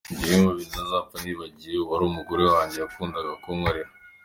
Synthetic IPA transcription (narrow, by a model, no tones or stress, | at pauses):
ɟiheŋoβinnazaːfaniːβaɟijewaɾuːmuɡo̞ɾewaːɲɟe̞jakuːndaɡakomwaɾeɾa